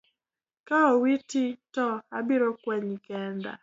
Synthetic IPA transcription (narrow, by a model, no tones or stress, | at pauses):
kaowititɔabɪɾokwɛɲkɛnda̰